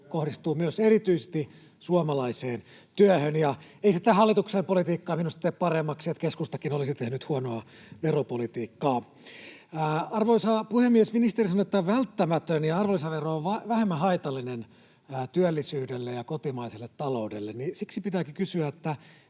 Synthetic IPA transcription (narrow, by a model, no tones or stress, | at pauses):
kohdist̪uːmyøserit̪yise̥st̪i | suomɑlɑiseːn | t̪yøhønjɑeisit̪æhɑlːit̪uksempolit̪iːkːɑːminust̪ɑt̪eːppɑremːɑksiet̪keskust̪ɑkinolisit̪ehnyt̪huonoɑ | ʋeropolit̪iːkːɑː | ɑrʋoisɑpuhemːiesminist̪erisɑnoet̪ːæʋælt̪ːæmæt̪ønjɑɑrʋolːisɑʋeroːʋʋɑʋæhemːæɦɑit̪ɑlːinenː | t̪yølːisyːdelːejɑkot̪imɑiselːet̪tɑloudelːennisiksipit̪æːkikysyæet̪ːæ